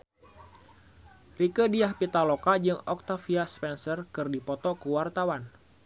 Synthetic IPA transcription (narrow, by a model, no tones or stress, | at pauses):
rikədiahpit̪alɔkad͡ʒɨŋɔk̚t̪afiaspɛnsərkɨrdipɔt̪ɔkuwart̪awan